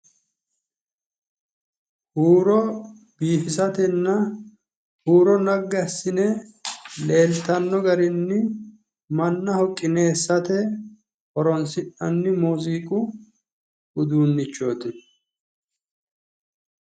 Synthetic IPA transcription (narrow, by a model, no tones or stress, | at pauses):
huːɾɔ | biːfɪsɐt̪ɛnːɐ | huːɾɔnɐɡːɐsːɪnɛ | le̞ːlt̪ɐnːɔɡɐɾɪnːɪ | mɐnːɐhɔkʼːɪneːsːɐt̪ɛ | hɔɾɔnsɪʔɐnːɪmuːziːkʼʊ | ʊd̪uːnːɪt͡ʃːo̞ːt̪ɪ